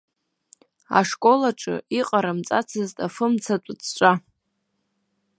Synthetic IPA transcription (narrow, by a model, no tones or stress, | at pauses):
a̰ʂkʼo̞laʈ͡ʂʼɨ̰iqʼaɾamt͡sʼat͡sʰɨztʼafɨmt͡sʰat͡pʷʼʊt͡sʰt͡ʃʷʼa